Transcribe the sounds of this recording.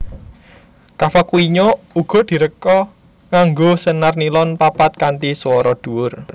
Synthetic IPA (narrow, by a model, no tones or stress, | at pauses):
kafakuiɲo | uɡ̥ɔ̤d̪̥i̤ɾəkɔ | ŋaŋɡosənarnilɔnpapat̪̚kaɳʈiswɔɾɔd̪̥ṳwʊr